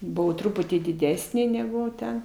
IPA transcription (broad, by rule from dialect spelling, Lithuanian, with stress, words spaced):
ˈbʊʋɐʊ ˈtrʊpʊtʲiː dʲɪˈdʲæːsʲnʲeː nʲɛɡʊ ˈtʲɛn